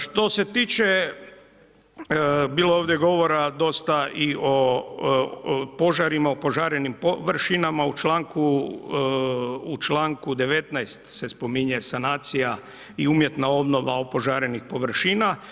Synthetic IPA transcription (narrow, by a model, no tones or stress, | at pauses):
ʃt̪o̞se̞t̪iːt͡ʃe̞ | biːlooːʋd̪jeɡo̞ʋo̞ɾad̪o̞st̪aʔio | po̞ʒaɾimaopo̞ʒaɾenimpoʋɾʃinamaut͡ʃlaːŋku | t͡ʃlaːŋkud̪e̞ʋet̪najst̪se̞spo̞miɲesanaːt̪sija | iumjet̪nao̞bno̞ʋa̰opo̞ʒaːɾenixpo̞ʋɾʃiːna